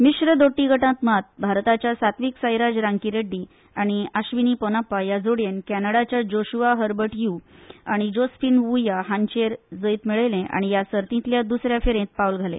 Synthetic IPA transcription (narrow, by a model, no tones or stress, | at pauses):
miɕɾəd̪oʈːiɡʱəʈãt̪mat̪̚bʱaɾt̪at͡ɕjasat̪ʋiːksəjɾad͡ʑɾaŋkiɾeɖːi | aɽ̃iaɕʋiniponapːajad͡zoɽjenkænəɽat͡ɕjad͡ʑoɕuʋaɦəɾbəʈjuaɽ̃id͡ʑosfiːnʋujaɦant͡ɕeɾd͡zəit̪miɭəlẽʔa̰ɽ̃ijasəɾt̪ĩt̪ljad̪usɾjafeɾẽt̪̚paulɡʱalḛ̃